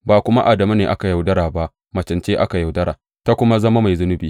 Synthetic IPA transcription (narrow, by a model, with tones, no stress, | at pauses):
baː˨kʷʊ˦ma˦ʔa˨dɐ˨ma˦neː˨ʔa˦ka˨ja˨wdɐ˦ɽaː˨ba˦ʔ | mɐ˨t͡ʃɐ˨nt͡ʃeː˦ʔa˦ka˨ja˨wdɐ˦ɽa̰ː˨ | ta˦kʷʊ˦ma˦zɐ˦ma˦ma˨jzʊ˦nʊ˦biː˨